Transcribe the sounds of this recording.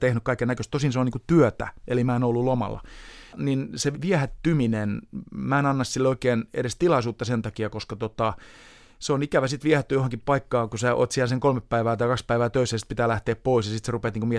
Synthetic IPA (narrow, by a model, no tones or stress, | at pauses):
t̪ehnykɑikːenækøst̪osinseoniːkut̪yøt̪æ̰elimæenolːulomɑ̰lːɑ̰ninseʋiæhæt̪ːyminenmæenɑnːɑssilːeoikeːnḛɾest̪ilɑisuːt̪ːɑsent̪ɑkiɑkoskɑt̪ot̪ɑ | seonikæʋæsit̪ʋiæhæt̪ːyjohɑŋkippɑikːɑːŋkusæʔo̰ːt̪siælseŋkolmeppæiʋæːt̪ɑikɑkspæiʋæːt̪øisːæjsit̪pit̪æːlæht̪eːppoisjɑsit̪serupet̪niːŋkumie